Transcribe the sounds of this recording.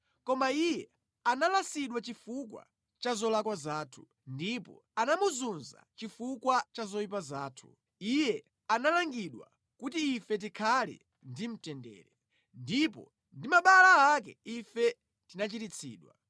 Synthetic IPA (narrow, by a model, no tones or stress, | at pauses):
kɔmaijɛ | analasiɗwat͡ʃifukwa̰ | t͡ʃazɔlakwazaːtʰu̥ | ndipɔ̰ | anamuzunza̰t͡ʃifukwat͡ʃazɔip̬azaːtʰu̥ | ijɛ | analaŋɡiɗwa̰ | kutiːfɛt̬ikʰalɛ̰ | ndim̩tɛndɛ̰ːɾɛ | ndipɔ̰ | ndimaɓalaːk̬ɛifɛ | tinat͡ʃitit͡sʰḭːɗwa